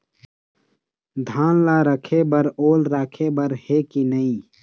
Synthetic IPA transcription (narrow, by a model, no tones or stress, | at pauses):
d̪ʱaːnlaːɾəkʰebəɾoːlɾaːkʰebəɾhekinəĩː